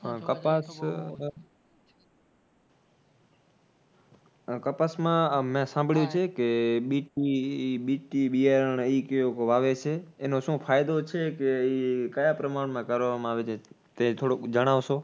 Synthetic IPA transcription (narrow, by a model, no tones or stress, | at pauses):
kəpas | kəpasmãmẽsãmbʱɽjũt͡ʃʰekeɓiʈiɓiʈiɓijəɾəɳəikeokoʋaʋet͡ʃʰeːnõʃũpʰaːjd̪ot͡ʃʰekeikəjapɾəmaɳmãkəɾʋamãaʋet͡ʃʰe | t̪et̪ʰoɽokd͡ʒəɽ̃aʋʃõ